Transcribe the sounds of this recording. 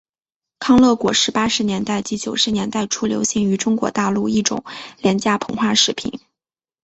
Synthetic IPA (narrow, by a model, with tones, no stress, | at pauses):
kʰɑ˥ŋlɤ˥˩kwɔ˨˩ʂɻ̩˥˧pa˥ʂɻ̩˧˥njɛ˧˥nt̪a˥˩ɪt͡ɕi˧˥t͡ɕjo˨˩ʊʂɻ̩˧˥njɛ˧˥nt̪a˥˩ɪʈ͡ʂʰu˥ljo˧˥ʊɕi˧˥˩ŋy˧˥ʈ͡ʂʊ˥ŋkwɔ̰˧˥t̪a˥˧lu˥˧i˥˩ʈ͡ʂʊ̰˨˩˦ŋljɛ˧˥nt͡ɕja˥pʰɤ˧˥ŋxwa˥˩ʂɻ̩˨˧˩pʰḭ˨˩˦n